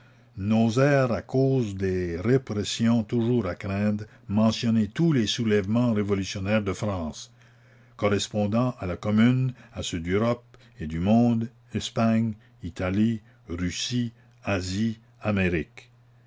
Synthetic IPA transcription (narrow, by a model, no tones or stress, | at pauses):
nozɛːʁakoːzd̪eʁepɾɛsjɔ̃t̪uʒuːʁakɾɛ̃ːd̪ | mɑ̃sjɔnet̪ulesulɛvmɑ̃ʁevɔlysjɔnɛʁd̪əfɾɑ̃ːs | kɔʁɛspɔ̃d̪ɑ̃ʔalakɔmynasød̪øʁɔp̚ | ed̪ymɔ̃ːd̪ | ɛspaɲ | it̪ali | ʁysi | azi | ameʁik